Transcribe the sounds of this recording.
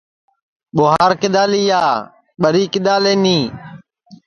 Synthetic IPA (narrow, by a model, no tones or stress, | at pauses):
ɓoːɦaːɾkɪɗ̪aːliːjaː | ɓəɾiːkɪɗ̪aːleːnĩː